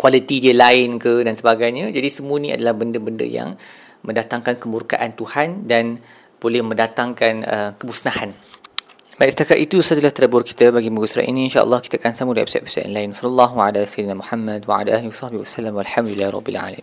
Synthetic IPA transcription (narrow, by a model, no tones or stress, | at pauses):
kwalit̪idiəlaɪnkədansəbaɡajɲəd͡ʒadisəmũənĩa̰dalahbəndəbəndə̰ja̰ŋ | mə̃ndat̪aŋkankəmurka̰ʔant̪uhandan | b̥olɛhmə̃ndat̪aŋkanəmkəbusnahan | baiʔsə̥t̪akaʔ̪it̪usad̪əlaht̪ədabʊrki̥t̪əbaɡimuɡusɾa̰ʔḭnĩinʃa̰ʔə̰lˠːɑhkit̪aakansamudɛ̰psɛ̰ʔ̚pi̥sa̰ʔɛ̰nlaɪnwasləlˤːɑɦwaʕalasajd̪ənamuħamːadwaʕa̰laʔaːliwasˤɑhbihwasalamwalħamd̪ulilːahɾˤɔ̰bːḭlʕa̰lami